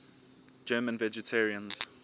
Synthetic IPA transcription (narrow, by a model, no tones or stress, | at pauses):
d͡ʒɜːmə̃nvɛd͡ʒɛtʰɛɹiə̃nz̥